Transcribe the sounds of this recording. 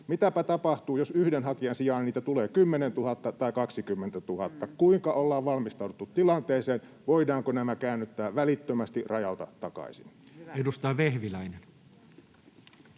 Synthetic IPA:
mit̪æpæt̪ɑpɑht̪uːjosyhdenhɑkiɑnsijɑːˑnniːt̪æt̪uleːkymːenent̪uhɑt̪ːɑt̪ɑikɑksikymːent̪æt̪uhɑt̪ːɑkuiŋkɑolːɑːʋʋɑlmist̪ɑˑuduet̪ːut̪t̪ilɑnt̪eːseːn | ʋoidɑːŋkonæmækæːnːyt̪ːæːʋælit̪ːømæst̪irɑjɑut̪ɑ̰t̪tːɑkɑ̰isḭnedust̪ɑːʋehʋilæinen

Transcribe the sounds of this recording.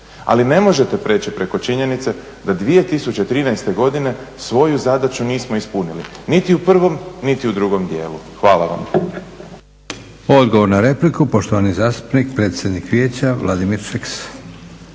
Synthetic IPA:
a̰line̞mo̞ʒe̞t̪e̞pɾe̞ːt͡ɕipɾe̞ko̞t͡ʃiɲe̞nit̪se̞ | d̪ad̪ʋije̞t̪isut͡ɕet̪ɾiːnajst̪e̞ɡo̞d̪ine̞sʋo̞juzad̪at͡ʃuniːsmo̞ispunilinit̪iupr̩ʋo̞mnit̪iud̪ɾuɡo̞md̪je̞ːlu | xʋaːla̰ʋa̰m | od̪ɡo̞ʋo̞ɾnaɾe̞plikupo̞ʃt̪oʋanizaːst̪u̥pnik̚pɾe̞ːt̪sjed̪nikʋje̞ːt͡ɕaʋlˠʔad̪imiɾfeks

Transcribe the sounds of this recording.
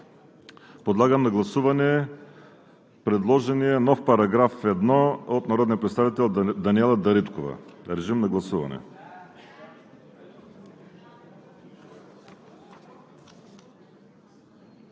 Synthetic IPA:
pod̪lˠaɡəmnɐɡlˠɐsuvɐnɛ | pɾɛd̪lˠɔʒɛniɛnɔfpɐɾɐɡɾafɛd̪nɔot̪nɐɾɔd̪nijɐpɾɛt̪st̪avit̪ɛlˠd̪ɐniɛlˠɐd̪ɐɾit̪kovɐ̰ɾɛʒimnɐɡlˠɐsuvɐ̰nɛ̰

